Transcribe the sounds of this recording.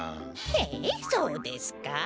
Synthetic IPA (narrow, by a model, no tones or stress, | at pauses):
hesoːd̪esɨ̥ka